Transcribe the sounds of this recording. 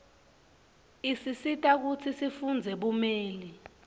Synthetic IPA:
isisitʼak̬ut͡sʰisifund͡zʱɛɓumeːli

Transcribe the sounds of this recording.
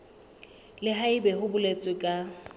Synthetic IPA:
lɪɦaibɛɦʊbʊlet͡sʼwɪkʼa

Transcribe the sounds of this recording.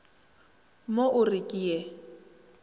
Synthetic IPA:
moʔʊrɪkʼiːɛ

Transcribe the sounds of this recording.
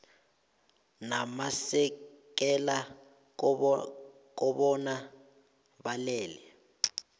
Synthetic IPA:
namasɛ | k̬ɛla | k̬ɔɓɔna | ɓalɛːlɛ

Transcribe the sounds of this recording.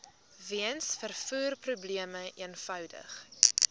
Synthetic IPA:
viənsfərfuːrprubliəməiənfœwdə̰χ

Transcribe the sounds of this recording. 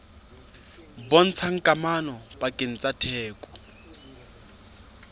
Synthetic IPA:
bɔn̩t͡sʰaŋ̩kʼamanɔbakʼɪn̩t͡sʼatʰɛːkʼɔ̥

